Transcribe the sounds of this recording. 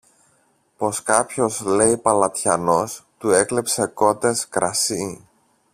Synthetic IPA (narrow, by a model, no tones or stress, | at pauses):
po̞skɐpço̞zle̞ipɐlɐt̪çɐno̞st̪ue̞kle̞pse̞ko̞t̪e̞skɾɐsi